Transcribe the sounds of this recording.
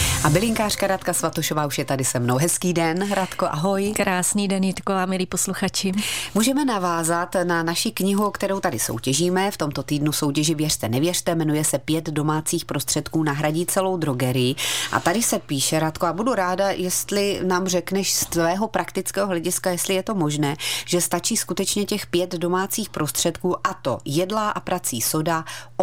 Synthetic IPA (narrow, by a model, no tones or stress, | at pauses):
ʔabɪlɪŋkaːr̝̥kaɾat̪kasvat̪oʃo̞vaːuʃjɛt̪adɪsɛmno̞wɦɛskiːdɛnɾat̪koʔaɦo̞jkɾaːsniːdɛnjɪt̪kovaːmɪliːposluxat͡ʃɪmuːʒɛmɛnavaːzat̪nanaʃɪkɲɪɦukt̪ɛɾowt̪adɪso̞̰wcɛʒiːmɛft̪o̞mt̪o̞t̪iːdnuso̞wcɛʒɪvjɛr̝̥t̪ɛnɛvjɛr̝̥t̪ɛmɛnujɛsɛpjɛt̪do̞maːt͡siːxpɾo̞st̪r̝̥ɛt̪kuːnaɦɾaɟiːt͡sɛlo̞wd̪ɾoɡɛɾɪjɪʔa̰t̪adɪsɛpiːʃɛɾat̪koabuduɾaːdajɛst̪lɪnaːmr̝ɛknɛʃst̪vɛːɦo̞pɾʔakt̪ɪt͡skɛːɦoɦlɛɟɪskajɛst̪lɪjɛt̪o̞mo̞ʒnɛːʒ̥ɛst̪at͡ʃiːskut̪ɛt͡ʃɲɛcɛxpjɛt̪do̞maːt͡siːxpɾʔo̞st̪r̥ɛt̪kuːʔat̪o̞̰jɛdlaʔapɾat͡siːso̞da